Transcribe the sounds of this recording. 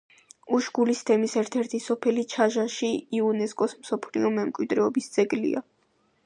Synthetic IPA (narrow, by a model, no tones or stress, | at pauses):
uʃɡulist̪ʰɛmisɛɾt̪ʰɛɾt̪ʰisɔpʰɛlit͡ʃʰaʒaʃiiunɛskʼɔsmsɔpʰlḭɔmɛmkʼwid̪ɾɛɔbisd̪z̥ɛɡlḭa̰